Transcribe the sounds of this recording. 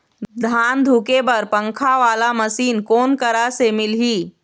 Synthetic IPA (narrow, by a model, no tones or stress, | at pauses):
d̪ʱaːnd̪ʱuːkebɐɾpə̃ŋkʰaʋaːlaməsiːnkoːnkəɾasemɪlɦiː